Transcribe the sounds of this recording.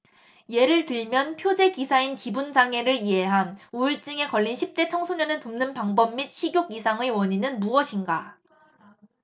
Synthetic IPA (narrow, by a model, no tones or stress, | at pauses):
je̞ɾɯɭtɯɭmjʌnpʰjod͡ʑe̞kisʰainkibund͡ʑaŋe̞ɾɯɭiɦe̞ɦanuiɭt͡ɕ͈ɯŋe̞kʌʎːinɕʰip̚t͈e̞t͡ɕʰʌŋsʰoɲʌnɯntomnɯnpaŋbʌmːit̚ɕʰiɡjoɡisʰaŋewʌɲinɯnmuʌɕʰinɡa